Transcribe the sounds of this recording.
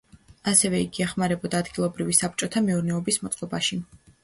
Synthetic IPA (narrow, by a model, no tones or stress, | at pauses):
asɛvɛiɡiaχmaɾɛbɔd̪aːd̪ɡilˠɔbɾivisap̚t͡ʃʼɔt̪ʰamɛuɾnɛɔbismɔt̪sʼɔbaʃi